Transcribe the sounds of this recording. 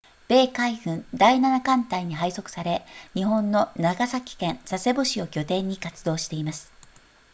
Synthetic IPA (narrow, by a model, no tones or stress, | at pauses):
b̥e̞ːkaihɯ̟̃nd̪ainanakãnt̪aiɲ̟iɦaiso̞kɯ̥saɾe̞ɲ̟iɦõ̞nːo̞naɡasakʲi̥kẽ̞nsase̞bo̞ɕio̞kʲo̞t̪ẽ̞ɲ̟ːikat͡sɨd̪o̞ːɕi̥t̪e̞imasɨ̥